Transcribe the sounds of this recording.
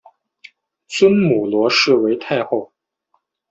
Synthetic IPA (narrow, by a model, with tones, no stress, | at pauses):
t͡swə˥nmu˨˩lwɔ˧˥ʂɻ̩˥˩we˧˥ɪt̪ʰa˥˧ɪxo˥˩ʊ